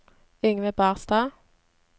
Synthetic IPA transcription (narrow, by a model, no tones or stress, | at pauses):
ʏŋʋəbæːʁst̪ɑː